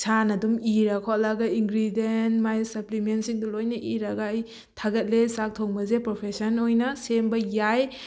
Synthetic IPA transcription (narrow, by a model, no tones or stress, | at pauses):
sanɐdumiɾɐkʰolɐɡɐiŋɡɾidenmajsɐplimentsiŋdulojnɐʔiɾɐɡaj | tʰaɡɐt̚lesak̚tʰoŋbɐzepɾopʰesɐnojnɐsembɐjaj